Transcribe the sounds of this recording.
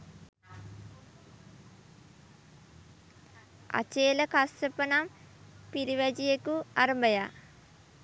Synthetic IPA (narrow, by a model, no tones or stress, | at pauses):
a̰t͡ʃeːləkasəpənam | piɾiʋæd͡ʒijekuaɾəmbəja